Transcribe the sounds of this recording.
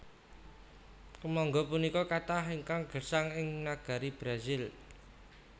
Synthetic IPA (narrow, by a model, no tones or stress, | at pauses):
kəmɔŋɡɔpunikɔkat̪aɦiŋkaŋɡ̥ə̤saŋɪŋnaɡ̥a̤ɾib̥ɾazɪl